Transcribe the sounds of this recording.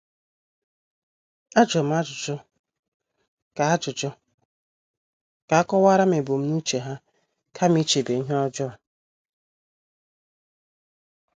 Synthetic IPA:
a˦d͡ʒɔ˨m̩˦a˦t͡ʃʊ˨t͡ʃɔ˦ | ka˨a˦t͡ʃʊ˨t͡ʃɔ˦ | ka˨a˦kɔ˦wa˦ɾa˦me˨bo˨m̩˦nu˦t͡ʃe˨ɦa˦ | kʰa˦m̩i˦t͡ʃe˨be˨˦ɦɔ˦d͡ʒɔ˦a˨

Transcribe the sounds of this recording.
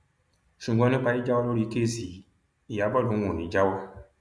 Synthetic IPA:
ʃũ˨ɡɔ̃˧˦nĩ˦pa˧˦i˦d͡ʒa˦wɔ˦lo˦ɾi˨˦ke˦zi˨ | i˨ja˨˦bɔ˦˨lõ˨˦õ˨nĩ˨˦d͡ʒa˦wɔ˦

